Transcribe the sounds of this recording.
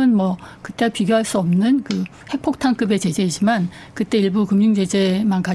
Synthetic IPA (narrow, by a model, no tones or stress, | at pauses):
ɯnmwʌkɯt͈e̞piɡjoɦaɭs͈uʌmnɯnkɯ | he̞k̚pʰok̚tʰaŋk͈ɯbe̞t͡ɕe̞d͡ʑe̞id͡ʑiman | kɯt͈e̞iɭbukɯmɲuŋt͡ɕe̞d͡ʑe̞manka